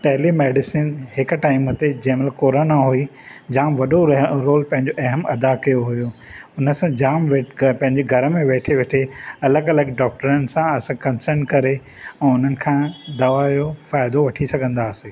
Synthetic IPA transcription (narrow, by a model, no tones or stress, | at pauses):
ʈeɦlimeːɖɪsinɦɪkʈaːɪmət̪ed͡ʑɐːməlkoːɾonaɦui | d͡ʑaːmʋɐɗoɾoːlpɐ̃ɦɪ̃ɲd͡ʑoʔɐɦəmɐd̪akɐjoɦʊjoʊnə̆sãd͡ʑaːmʋepɐ̃ɦɪ̃ɲd͡ʑeɡʱɐɾəmẽʋeːʈʰeʋeʈʰeɐləɡɐləɡɖɔːk̚ʈəɾənɪ̆sãɐsãkɐ̃nsəɾnkɐɾe | ɛ̃ːʊn̤ənɪ̆kʰãːd̪ɐʋajofaːɪd̪oʋɐʈʰisɐɡʱə̃nd̪aːseː